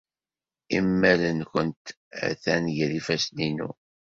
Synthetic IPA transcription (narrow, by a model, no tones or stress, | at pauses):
imːælənkʷənt̪ | æ̰θænʝəɾifæsninṵ